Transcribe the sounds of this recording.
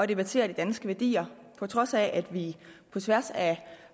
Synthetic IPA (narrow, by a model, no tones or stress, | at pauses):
ɒ̽d̥e̝b̥æt͡sʰe̝̰ːɐd̥id̥ænsɡ̥əʋæɐd̥ḭːɐ | pʰɒ̽t͡sʰʁɒ̽sæʔæd̥ʋipʰɒ̽t͡sʰʋæɐsæ